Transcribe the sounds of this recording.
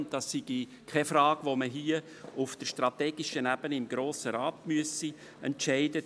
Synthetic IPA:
n̚d̥ɑsːiɡ̥i | kʰɛfrɑːɡ̥ʋoməɦiə | ʊfd̥əʃtrɑtɛːɡ̥ɪʃənæb̥ənəɪmɡɾoːsəɾaːtmyəsi | ɛntt͡ʃɛɪdə

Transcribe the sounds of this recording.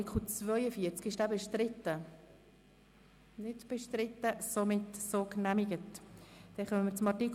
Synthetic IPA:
ikʰχl̩t͡svœʏəfiəɾt͡skɪʃd̥æːbəʃtɾɪt̪ːə | nɪdb̥əʃtɾɪtːəsomɪtsoknæmiɡətd̥ɛχœməmɪɾt͡sʊmɑtik

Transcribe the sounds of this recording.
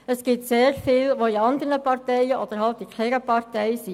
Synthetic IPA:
əsɡ̥ɪtseːɾfɪːlʋoiɑnd̪əɾnəpɑɾtɛjəʔɔd̥əɾɦɑlt̪ikʰlɛɾəpɑrtɛjsi

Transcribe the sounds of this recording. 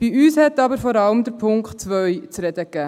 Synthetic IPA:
b̥iyːshɛtɑbəɾfɔɾɑləmd̪əɾpʰʊŋkt̚t͡sʋœjt͡sɾɛd̪əkːæː

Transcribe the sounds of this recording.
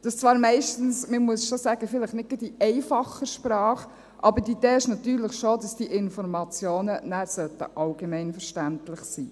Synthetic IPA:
d̥ɑst͡svɑːɾmɛɪʃtn̩sməmuəsʃosæːɡəfɪləχnɪt̚ɡɪd̥iʔɛɪfɑχəʃpɾɑːχ | ʔɑbədiid̥eːɪʃnɑtyːɾləχʃodɑsd̥iʔɪnfɔɾmɑt͡sjoːnənæsœtə̰ʔɑlɡ̥emɛɪnfɛɾʃtæntlɪχsiː

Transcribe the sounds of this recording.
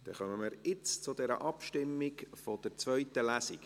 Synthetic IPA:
d̥ɛ̰χœməməɾɪt͡st͡sʊd̪ɛɾə̰ʔɑpʃtɪmːikfɔd̪̥əɾt͡sʋœɥt̪əlæsik

